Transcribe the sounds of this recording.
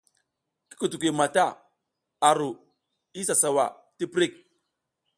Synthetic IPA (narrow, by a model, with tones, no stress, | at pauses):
ki̥˦ku˨tu˨ki˨ma˨ta˦˨ | a˨ɾu˨ | i˦sa˨sa˨wa̰˨ | ti˦pɾi˦˨k̚